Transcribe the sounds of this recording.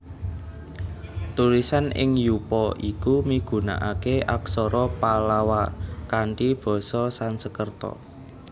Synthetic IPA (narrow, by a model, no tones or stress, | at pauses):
t̪ulisanɪ̰ŋjupɔʔikumiɡ̥ṳna̰ʔakeʔaksɔɾɔpalawakaɳʈib̥ɔ̤sɔsansəkərt̪ɔ̰